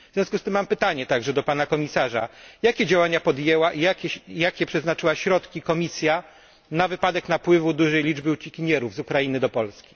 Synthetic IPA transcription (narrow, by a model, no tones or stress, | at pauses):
vvzʲjɔ̃skust̪ɘmːampɘt̪aɲɛt̪aɡʐɛd̪ɔpanakɔmʲisaʐa̰jakʲɛd͡ʑawaɲapɔd̪jɛwaʔijakʲɛjakʲɛpʂɛznat͡ʂɘwaɕɾɔt̪kʲikɔmʲisʲja | navɘpad̪ɛknapwɘvud̪uʐɛjlʲid͡ʐbɘut͡ɕikʲiɲɛɾuvzukɾajinɘd̪ɔpɔlskʲi̥